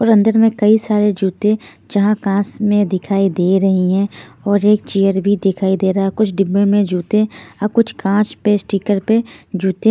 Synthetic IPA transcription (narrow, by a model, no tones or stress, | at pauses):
ɔːɾɐ̃nd̪əɾmẽkɐisaːɾed͡ʒuːt̪ẽ | d͡ʒɐɦãkãːsmẽd̪ɪkʰaːid̪eːɾɐɦiɦɛ̃ɔːɾeːk̚t͡ʃijəɾbʱid̪ɪkʰaːid̪eːɾɐaɛkʊt͡ʃʰɖɪbːẽmẽd͡ʒuːt̪ẽɐb̚kʊt͡ʃʰkãːt͡ʃpesʈiːkəɾped͡ʒuːt̪ẽ